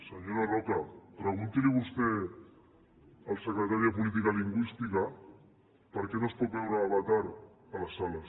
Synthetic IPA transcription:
səɲoɾarokapɾəɣ̞unt̪iliβust̪e | alsəkɾət̪aɾjapulit̪̬ikaliŋɡwist̪ika | pəɾkenospot̪̚bβewɾaːβat̪aɾ | alasalas

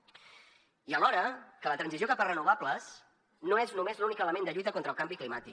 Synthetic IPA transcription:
iəlɔɾəkələt̪ɾənsiziokapərənuβ̞abləs | noeznumezlunikələmẽnd̪əʎujt̪əkont̪ɾəlˠkambiklimat̪ik

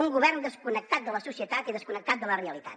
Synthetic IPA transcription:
uŋɡuβɛrnd̪əskunək̚t̪at̪̚d̪ələsusiət̪at̪iðəskunək̚t̪at̪̚d̪ələreəlit̪at̪

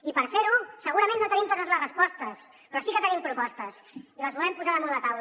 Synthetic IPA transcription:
ipəɾfeɾusəɣuɾɐmẽnːot̪ənimt̪ot̪əzləzrəspɔst̪əs | pɾɔsikət̪ənimpɾupɔst̪əsiləzβulɛmpuzaðəmɔðat̪awl

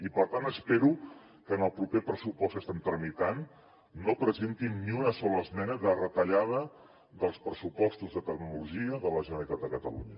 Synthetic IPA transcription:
ipəɾt̪anəspeɾu | kəːnəlˠpɾupepɾəsupɔskəst̪ɛmt̪ɾəmit̪anː | opɾəzent̪inːiunəsɔləːzmɛnəðərət̪əʎað̞ə | ðəlˠspɾəsupɔst̪uzðət̪əkmiuluʒiəðələʒənəlit̪at̪d̪əkət̪əlṵɲə

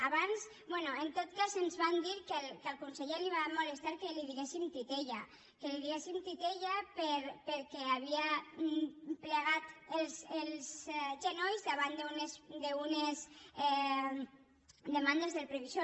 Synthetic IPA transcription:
aβans | bwɛnuent̪ot̪kazenzβand̪iɾkelkelkunseʎeliβamolest̪aɾkeliðiɣesimt̪it̪eʎa̰ | keliðiɣesimt̪it̪eʎapeɾpeɾkɛaβia | pleɣ̞at̪elˠselˠzʒenojzðaβand̪eunesd̪eunezɛ | d̪emand̪ezðelpɾeβizo

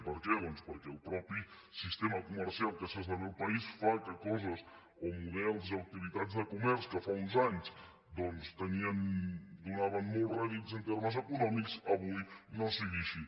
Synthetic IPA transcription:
pəɾkɛðɔnspəɾkɛːlˠpɾɔpi | sist̪eməkuməɾsialˠkəsezðəmewpɐisfakəkɔzəs | omuðɛlˠziawk̚t̪iβit̪azðəkumɛɾskəfaunzaɲs | d̪ɔnst̪əniənd̪unaβənmolˠraðit̪zənt̪eɾməzəkunɔmiksəβujnəsəɣisi

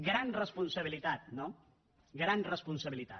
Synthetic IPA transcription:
ɡɾanrəspunsəβ̞ilit̪at̪̚no | ɡɾanrəspunsəβilit̪a̰

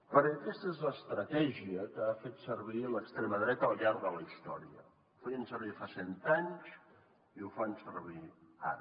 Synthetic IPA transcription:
pəɾəkɛst̪əezləːst̪ɾət̪ɛʒiəkəafet̪səɾβ̞iləkst̪ɾɛməðɾɛt̪əːlˠʎaɾɡðələist̪ɔɾiə̰ | ufejənsəɾβifasɛnt̪aɲs | iufansəɾβ̞ia̰ɾ

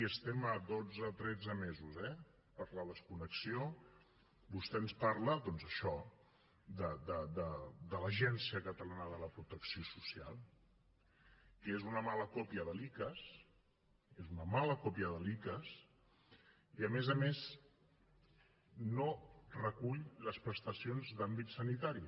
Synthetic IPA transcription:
iəst̪ɛməd̪od͡zət̪ɾɛd͡zəmezuzɛ | pəɾləð̞əskunəksio | bust̪ɛənspaɾləðɔnzəʃɔ | d̪əd̪əd̪əd̪ələʒɛnsiəkət̪əlanəðələpɾut̪əksiosusia̰lˠ | kezunəmaləkopiəðəlikəs | ezunəmaləkopiəðəlikəs | iəmezəmez | norəkuʎləspɾəst̪əsionzd̪ambit̪sənit̪aɾi

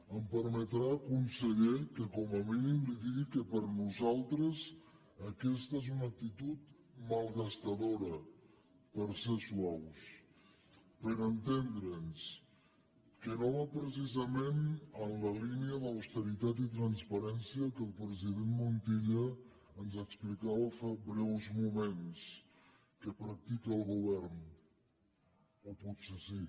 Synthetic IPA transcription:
əmpəɾmət̪ɾaəkunsəʎɛkəkɔməminimliðiɣikəpəɾnuzalˠt̪ɾəz | əkɛst̪əezunək̚t̪it̪ut̪ | məlˠɣəst̪əðoɾə | pəɾseswaws | pəɾənt̪end̪ɾəns | kənoβapɾəs̬izəmenənləliniəðəwst̪əɾit̪at̪it̪ɾənspəɾɛnsiəkəlˠpɾəziðenmunt̪iʎə | ənzəksplikaβəfabɾɛwzmumens | kəpɾak̚t̪ikəəlˠɣuβ̞ɛɾn | oput̪sesi

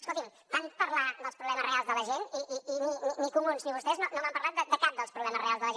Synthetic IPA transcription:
əskolˠt̪im | banpəɾlˠad̪əlˠspɾuβlɛməzrealzðələʒeniʔiːnininikumunzniβust̪ɛznonomampəɾlˠat̪̚d̪əd̪əkap̚d̪əlˠspɾuβlɛməzrealzðəlˠəʒe

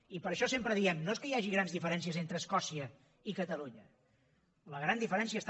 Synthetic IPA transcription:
ipəɾəʃɔsempɾəðiɛmnoeskəjaʒiɣɾanzðifəɾɛnsiəzent̪ɾəːskɔsiə | ikət̪əluɲə | ləɣɾand̪ifəɾɛnsiəst̪

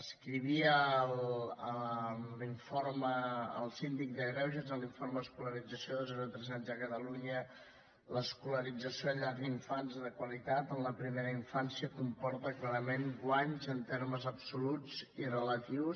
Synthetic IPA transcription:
əskɾiβ̞iələliɱfoɾməə̰lˠsind̪ik̚d̪əɣɾɛwʒezəliɱfoɾməðəskuləɾid͡zəsjoðəlˠzβənt̪ɾɛzanzəkət̪əluɲə | ləskuləɾid͡zəsjoʎaɾðiɱfanzðəkwəlit̪at̪ənləpɾimeɾəiɱfansiəkumpɔɾt̪əklaɾəmeŋɡwaɲzənt̪eɾməzəpsulut͡sirələt̪iws

